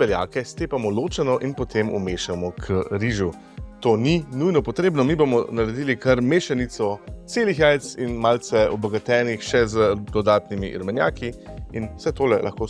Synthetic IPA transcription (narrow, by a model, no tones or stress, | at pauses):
bɛlja̰ːkɛst̪eːpamɔloːt͡ʃɛnɔʔinpɔt̪ʰemṵmeːʃamɔkʰəɾiʒu | t̪oːninujnɔpɔt̪ɾeːbnɔmibomɔnaɾɛd̪iːlikɐɾmeːʃanit̪sɔt̪seːlixɛjt̪sinmaːlt̪sɛɔbɔɡat̪ɛːnixʃɛzəd̪ɔd̪aːt̪nimḭʔɾmɛnjaːkiinwsɛt̪oːlɛlʔa̰xkoː